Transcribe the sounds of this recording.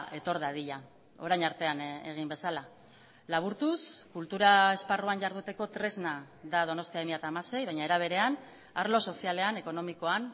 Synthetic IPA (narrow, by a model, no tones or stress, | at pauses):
e̞t̪o̞ɾðaðiʎa | o̞ɾajɲaɾt̪e̞ane̞̰ɣ̞imbe̞sala | laβ̞uɾt̪uskult̪uɾae̞sparuaɲʝaɾðut̪eko̞t̪ɾe̞zna | ðað̞o̞no̞st̪iaemiat̪aːmase̞jβajɲae̞ɾaβ̞e̞ɾe̞an | aɾlo̞so̞siale̞ane̞ko̞no̞miko̞an